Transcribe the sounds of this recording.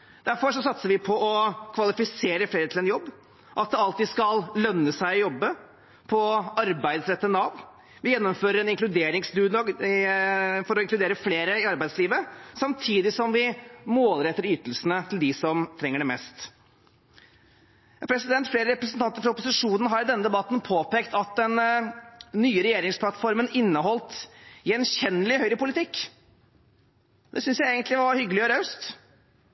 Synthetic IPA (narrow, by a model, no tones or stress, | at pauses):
d̪̥æɾfɔɾʂɔsɑt̪səɾʋɪpʰɔʔɔkʰʋɑlɪfɪseːɾəfleːɾət̪ɪlɛnjɔbː | ʔɑt̪̚d̪ɛɑlt̪iːd̪skɑllœnːəsæɪjɔbːə | pʰɔɑɾbæɪd̪sɾɛt̪ːənɑʋ | ʋɪjɛnːɔmføːɾəɾɛnɪŋklʉd̪eːɾɪŋsd̪ʉːnɔɡ | fɔɾɔɪŋklʉd̪eːɾəfleːɾəɪɑɾbæɪsliːʋəsɑmt̪ʰiːd̪ɪsɔmʋɪmoːləɾɛt̪ːəɾyːt̪əlsənət̪ʰɪld̪ɪsɔmt̪ʰɾɛŋːəɖɛmɛst̪ | pʰɾɛsɪd̪ɛnt̪fleːɾəɾɛpɾəsnt̪ɑnt̪əɾfɔɾɔpːʊsɪʂuːnən̩ɦɑɾd̪ɛnːəd̪ɛbɑt̪n̩pʰoːpeːkt̪ɑt̪̚d̪ɛnː | yːəɾɛjeːɾɪŋspʰlɑt̪fɔɾmənɪnːəɦɔlt̪jɛnçɛnːəlɪhœʏɾəpʊlɪt̪ʰɪkː | d̪ɛsʏnsjæɪɛːɡənt̪lɪʋɑɾhʏɡəlɪɔɾœʉst̪